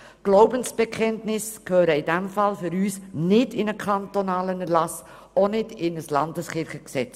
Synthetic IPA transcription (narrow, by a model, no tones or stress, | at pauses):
ɡ̥loʊbənsb̥ɛkχɛntnɪskʰhøːɾəɪdɛmfɑlfʏɾyːsnɪdɪnəkʰɑntonɑːlənəlɑs | onɪdɪnəslɑndəsχɪɾχəksɛt͡s